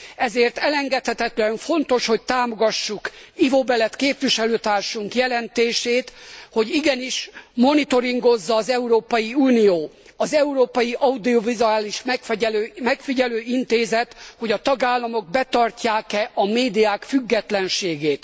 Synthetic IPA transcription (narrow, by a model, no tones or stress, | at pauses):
ɛzeːrt̪ɛlɛŋɡɛt̪hɛt̪ɛt̪lɛɱfo̞nt̪o̞ʃho̞c̚t̪aːmo̞ɡɒʃːukivobɛlɛt̪keːpʋiʃɛløːt̪aːrʃuŋkjɛlɛnt̪eːʃeːt̪ho̞ɟiɡɛniʃmo̞nit̪o̞ɾiŋɡo̞zːɒːzɛuɾoːpɒjiuːnijoː | ɒzɛuɾoːpɒjiʔɒud̪iovizuaːliʃmɛlmɛkfiɟɛløːint̪eːzɛt̪ho̞ɟɒt̪ɒɡaːlːɒmo̞ɡ̚bɛt̪ɒrcaːkɛʔɒmeːd̪ijaːkfyɡːɛt̪lɛnʃeːɡeːt̪